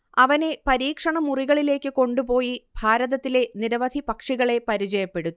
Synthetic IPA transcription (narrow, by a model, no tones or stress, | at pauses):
ɐʋɐne̞pɐɾiːkʂɐɳɐmuriɣɐɭile̞ːkːɨko̞ɳɖupo̞ːjibʱaːɾɐðɐt̪ːile̞niɾɐʋɐd̪ʱipɐkʂiɣɐɭe̞pɐɾit͡ɕɐjɐpːe̞ɽut̪ːu